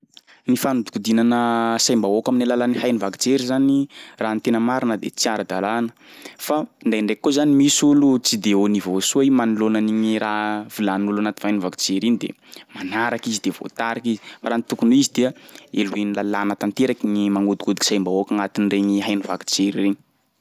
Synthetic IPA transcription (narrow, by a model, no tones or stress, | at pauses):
nifanud̪u̥kud̪inanəsajmbaokaminalalanihajnivaki̥t͡seɾizaniraːnt̪enəmaɾinəd̪ḛt͡siaɾad̪alanə̥ | fanɖ͡ʐajɳɖ͡ʐekkːozanimisulut͡sid̪eonivosuaimanilonaniɲirav̥ilanulanat̪i̥vajnivaki̥t͡seɾinid̪ḛ | manaɾakizid̪evo̰t̪aɾakizi̥faɾant̪ukunuizid̪eəeluenilalanat̪ant̪eɾakiɲimaŋud̪u̥kud̪iksajmbaokaŋat̪inireɲiɦajnivaki̥t͡seɾireɲi̥